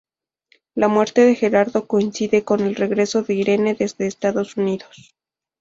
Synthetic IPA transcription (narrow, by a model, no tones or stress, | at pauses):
lamwe̞ɾt̪e̞ðe̞xe̞ɾaɾðo̞ko̞insiðe̞ko̞ne̞lre̞ɣɾe̞so̞ðe̞iɾe̞ne̞ðe̞zðe̞ːst̪aðo̞suniðo̞s